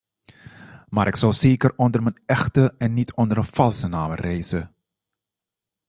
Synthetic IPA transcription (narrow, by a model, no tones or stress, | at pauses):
maːɾʔɪksɔwzeːkərɔndərmənɛxtəɛnːitʰɔndəɾənfɑlˠsənaːmərejzə